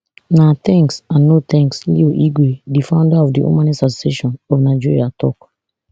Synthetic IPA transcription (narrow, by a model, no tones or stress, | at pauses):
nat̪ɛ̃ŋksãnːotɛ̃ŋkslḭoʔiɡwedifãʊ̃ndaɔvdiṵmãnɛsatseʃɔ̃nɔfnad͡ʒiɹiatɔ̰k